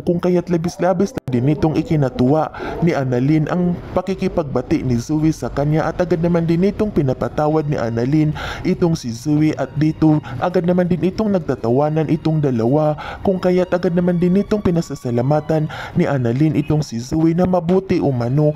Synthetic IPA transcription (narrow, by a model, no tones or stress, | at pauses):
kʊŋkɐjat̪lɐbɪslaːbɪsland̪ɪnʔɪt̪oŋʔɪkɪnɐt̪ʊwaʔnɪʔanɐlinʔɐ̰ŋpɐkikɪpɐɡ̚bɐt̪ɪʔnɪzuwɪsɐkɐɲjaʔɐt̪ʔɐɡad̪nɐmand̪ɪnʔɪt̪o̞ŋpɪnɐpɐt̪aːwɐd̪nɪ̰ʔa̰nɐlinʔɪt̪oŋsɪzuwɪʔɐt̪̚d̪iːt̪oʔɐɡad̪nɐmand̪ɪnʔɪt̪o̞ŋnɐɡ̚t̪at̪ɐwaːnɐnʔɪt̪oŋd̪ɐlɐwakʊŋkɐjat̪̚ʔɐɡad̪̚nɐmand̪ɪnʔɪt̪oŋpɪnɐsasɐlamaːt̪ɐnːɪʔanɐlinʔɪt̪oŋsɪzuwɪnɐmɐbuːt̪ɪʔomɐno̞